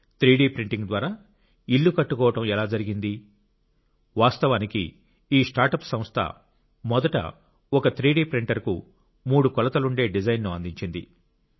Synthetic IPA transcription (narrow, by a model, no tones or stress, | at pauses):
t̪ɾiːɖiːpɾiɳʈiŋɡd̪ʋaːɾaː | iɭːukɐʈːukɔːʋɐʈɐmɛlaːd͡ʒɐɾiɡind̪i | ʋaːst̪ɐʋaːnikḭ | iːsʈaːɾʈɐpsɐ̃m̃st̪ʰɐ̰ | mɔd̪ɐʈɐ̰ | ɔkɐt̪ʰɾiːɖiːpɾiɳʈɐɾkṵ | muːɽukɔlɐt̪ɐluɳɖe̞ːɖid͡ʒɐjnnuɐnd̪iɲt͡ʃind̪ḭ